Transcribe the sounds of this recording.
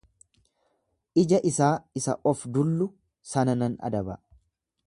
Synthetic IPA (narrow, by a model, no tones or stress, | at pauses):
ʔɪd͡ʒɐʔɪsaːɪsɐ̰ʔɔfd̪ʊlːʊ | sɐnɐnɐnɐ̰d̪ɐbɐ̰